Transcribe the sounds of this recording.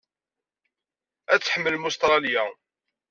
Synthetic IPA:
æt͡sːħəmːəlmust̪ɾˤɑljæ

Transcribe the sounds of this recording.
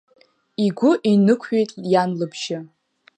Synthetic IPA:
iɡʷʊʔinɨkʷʰɥejtʼjanlɨbʰʃɪ

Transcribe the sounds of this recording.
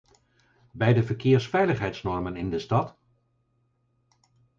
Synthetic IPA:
bɛjdəvəɹkɪːɹsfɛjləχɦɛjtsnɔɹmənɪndəstɑt

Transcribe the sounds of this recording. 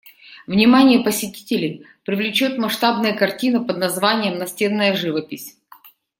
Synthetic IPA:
vnʲɪmanʲɪjəpəsʲɪtʲi̥tʲɪlʲɪj | pɾʲɪvlʲɪt͡ɕot̪mɐʂt̪abnɨjəkɐrtʲinəpəd̪nɐzvanʲɪjəmnɐsʲtʲe̞nːəjəʐɨvəpʲɪsʲ

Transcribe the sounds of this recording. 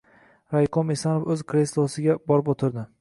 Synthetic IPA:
ɾajqʰomesanofɵzkʰɾeslˠosɪɡʲabɒɾɪp̬ot̪ʰɪɾd̪ɪ

